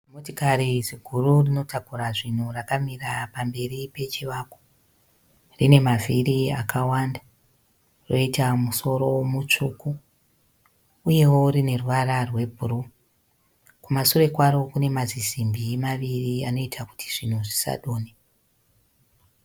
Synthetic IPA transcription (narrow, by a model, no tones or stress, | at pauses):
motikariziɡʱururino̞tʰakuraʐin̤urakamirapambe̞ripe̞t͡ʃiʋako̥ | rine̞maviriakʰawanda | ro̞itamuso̞ɾo̞mut͡ʂuku | je̞wo̞rine̞ruʋaɾarwe̞bʱuru | kumasuɾe̞kwaro̞kune̞mazizimbimaʋiriano̞itʰaku̥tʰi̥ʐin̤uʐisa̰ɗoːne